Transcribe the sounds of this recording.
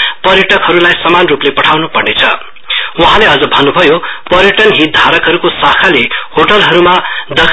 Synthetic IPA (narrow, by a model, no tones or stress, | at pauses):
pʌɾjʌʈʌkɦʌɾulajsʌmanruplepʌʈʰawnupʌrnet͡sʰʌ̰ | wʌɦãleʌd͡zʌbʱʌnːubʱʌjopʌɾjʌʈʌnɦit̪̚d̪ʱaɾʌkɦʌɾukosakʰalehoʈʌlɦʌɾumad̪ʌkʰ